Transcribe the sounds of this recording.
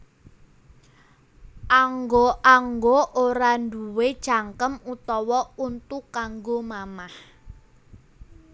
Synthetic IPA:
ʔaŋɡoaŋɡoʔoɾanduwed̥ʒ̥aŋkəmut̪ɔwɔunt̪ukːaŋɡomamah

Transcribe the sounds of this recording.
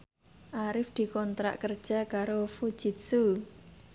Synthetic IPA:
ʔaɾɪfd̪̥i̤kɔnt̪ɾa̰ʔkərd̥ʒ̥a̤kaɾofu̥d͡ʒ̥it̪̚su

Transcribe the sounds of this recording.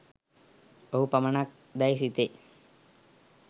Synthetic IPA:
oɦupɐmaɳak̚ | d̪ajsit̪e

